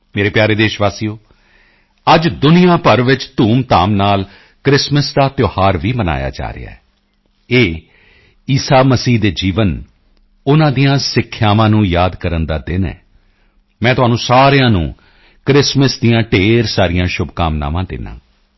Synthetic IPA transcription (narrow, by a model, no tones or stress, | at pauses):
meːɾeːpjaːɾeːd̪eːʃʋaːsiːoː | əd͡ʒd̪ʊnɪjãːpəɾʋɪt͡ʃt̪uːmt̪aːmnaːl | kɾɪsməsd̪aːt̪joːhaːɾʋiːməna̰ːja̰ːd͡ʒa̰ːɾḛa̰ːɛː | eː | iːsaːməsiːd̪eːd͡ʒiːʋən | ʊnãːd̪ijãːsɪkʰːjaːʋãːnũːjaːd̪kəɾənd̪aːd̪ɪnɛ̰ː | mɛ̃ːt̪ʊɦaːnũːsaːɾejãːnṵ̃ː | kɾɪsməsd̪ijãːʈeːɾsaːɾɪjãːʃʊbkaːmna̰ːʋãːd̪ɪ̰nːã̰ː